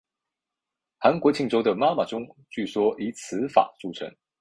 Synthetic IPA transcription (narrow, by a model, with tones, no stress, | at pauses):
xa˧˥nkwɔ˨˧˥t͡ɕʰi˥˩ŋʈ͡ʂo˥ʊd̪ə˨ma˥ma˨ʈ͡ʂʊ˥ŋt͡ɕy˥˩swɔ˥ʔi˧˥t͡sʰɹ̩˧˥fa̰˨˩t͡su˥˩ʈ͡ʂʰɤ̰˧˥˦ŋ